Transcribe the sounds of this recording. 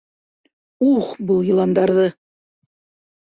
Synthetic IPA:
uχbɤlˠjɤ̆lˠɑnd̪ɑɾðɤ

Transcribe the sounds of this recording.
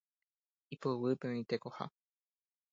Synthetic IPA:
ipowɨpẽĩt̪ekoha̰

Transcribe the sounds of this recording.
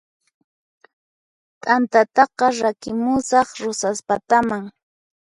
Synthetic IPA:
t̪ʼant̪at̪ɑqɑɾakɪmʊsɑχɾʊsaspat̪amaŋ

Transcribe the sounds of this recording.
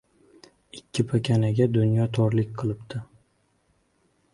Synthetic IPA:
ɪkʲʰːɪpʰakʲʰanaɡʲad̪ʊnjɒt̪ʰɒɾlɪkʲqʰɨlˠɪp̚t̪ʰɪ

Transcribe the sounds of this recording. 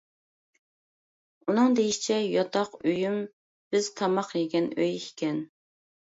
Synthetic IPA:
unɨŋd̪ejiʃi̥t͡ʃʰɛjɑt̪ʰɑqøjym | b̥ɪz̥t̪ʰɑmɑqjeɡʲɛnøjikʲʰɛn

